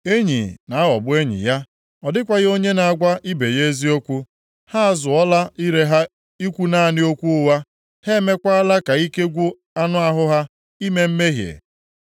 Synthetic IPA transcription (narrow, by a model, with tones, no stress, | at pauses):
e˦ɲḭ˨na˨˦ɦɔ˨bʊ˦e˦ɲḭ˨ja˦ | ɔ˨dɪ˦kʷa˦ɣo˦ɲe˦na˨a˨ɡʷa˦ʔi˦be˨je˦zi˦o˦kʷu˦ | ha˦a˦zʊ˨ɔ˦la˦i˦ɾe˨ɦa˦ | i˦kʷu˦na˦˨nɪ˦o˦kʷu˦ʊ˦wa˦ | he˦me˦kʷa˦a˦la˦ka˨i˦ke˦ɡʷʊ˦ | a˦nʊ˦a˦ɦʊ˦ɦa˦ | i˦me˦m̩˦me˦ɦjḛ˨